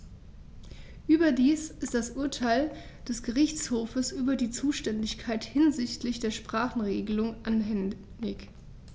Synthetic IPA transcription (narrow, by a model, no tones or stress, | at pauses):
ʔyːbɐdiːsɪst̚d̥asʔʊɐtʰaɪl | d̥ɛsɡ̥əʁɪçt͡shoːfəsʔyːbɐdiːt͡suːʃtɛndɪçkʰaɪthɪnzɪçtlɪçd̥eːɐʃpʁ̥aːχn̩ʁeːɡəlʊŋʔanɦɛ | ɪç